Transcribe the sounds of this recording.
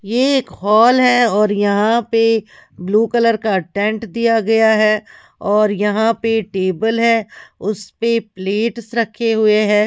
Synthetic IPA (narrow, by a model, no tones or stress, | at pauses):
jeeːkhɔːlɦɛɔːɾjɐɦãpebluːkɐləɾkaʈɛ̃ɳʈd̪ijaɡɐjaɦɛ | ɔːɾjɐɦãpeʈeːbəlɦɛːʊspepleːʈsɾɐkʰːeɦʊeɦɛ̃ː